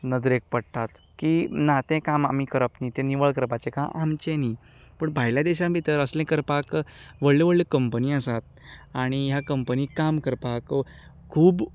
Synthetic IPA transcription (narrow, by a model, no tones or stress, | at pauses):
nəd͡zəɾek̚pəɽʈ̪at̪ | kinat̪ɛ̃kama̰mikəɾəpnit̪ɛ̃niʋəɭkəɾpat͡ɕekãʔamt͡ɕẽni | pəɳbʱajljad̪eɕabʱit̪əɾəslɛ̃kəɾpakʋəɭleʋəɭːekəmpəniːəsat̪̚ | aɽ̃iɦjakəmpəniːkamkəɾpak | kʰuːb